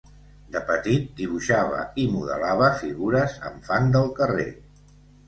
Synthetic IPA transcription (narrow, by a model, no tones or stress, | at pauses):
d̪əpət̪it̪̚d̪iβ̞uʃaβə̰imuðə̰laβəfiɣuɾəzə̰mfand̪əlˠkərḛ